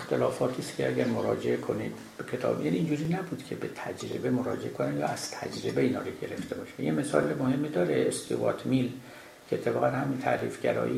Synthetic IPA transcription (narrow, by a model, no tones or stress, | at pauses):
ext̪ʰelɒːfɒːt̪ʰiːst̪cʰʲeæɡʲæɾmoɾɒːd͡ʒeekʰonḭd̪ | b̥ekʰet̪ʰɒ̰ːbjæniːnd͡ʒuːɾiːnæbuːd̪cʰe̞bet̪ʰæd͡ʒɾḛbe̞moɾɒ̰ːd͡ʒeʔekʰonænjɒ̰ːæz̥t̪ʰæ̰d͡ʒɾe̞beiːnɒ̰ːɾoɟe̞ɾe̞ft̪ʰe̞bɒːʃænjeme̞sɒːlemohe̞mːid̪ɒːɾeest̪ʰuvɒt̪ʰmil | cʰeet̪ʰːebɒːɣænhæmint̪ʰæɾḭfɟæɾɒ̰ːʔi